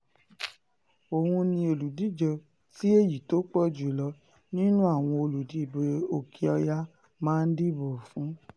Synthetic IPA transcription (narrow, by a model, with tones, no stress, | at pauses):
o˨hũ˧nĩ˧o˨lu˨di˨˦d͡ʒɔ˧ | ti˦e˦˨ji˨to˨˦k͡pɔ˦˨d͡ʒu˨lɔ˧ | nĩ˦nũ˦a˦˨w̃ɔ̃˧o˧lu˨di˨˦˨be˨o˨kʰi˧ɔ˧ja˦ | mãː˦n̩˦di˦bɔ˨fũ˨˦